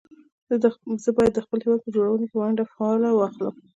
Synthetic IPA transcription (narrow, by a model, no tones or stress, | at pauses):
zəbɑjad̪ːəxpəlhɪwɑd̪̚pəd͡ʒoɽawənepəwaɳɖafaɑlawɑxlə̰m